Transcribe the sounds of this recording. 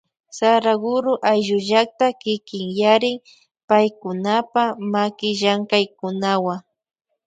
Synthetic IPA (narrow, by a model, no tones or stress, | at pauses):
saɾaɡʊɾʊʔajʒʊʒak̚t̪akɪkɪŋjaɾɪŋ | pajkʊnapamakɪʒaŋkajkʊnawaŋ